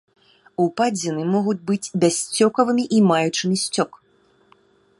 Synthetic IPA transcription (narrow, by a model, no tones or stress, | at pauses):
upad͡zʲinɨmɔɣud͡zʲbɨt͡sʲbʲasʲt͡sʲɔkɐvɨmʲiʔimajut͡ʂɨmʲisʲt͡sʲɔk